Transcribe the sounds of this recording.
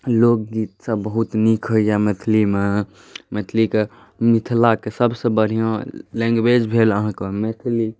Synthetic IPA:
loːɡ̚ɡit̪sabəɦut̪nikʰɦoijamet̪ʰlime | met̪ʰlike | mɪt̪ʰlakesəbsebəɽ̤ijõlɛ̃ːŋɡwed͡ʒbʱeːləɦãkemet̪ʰli

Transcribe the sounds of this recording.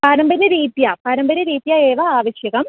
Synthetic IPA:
paːɾɐmbɐɾɐɾiːt̪japaːɾɐmbɐɾɐɾiːt̪jɐeːʋɐaːʋɐɕjɐɣɐm

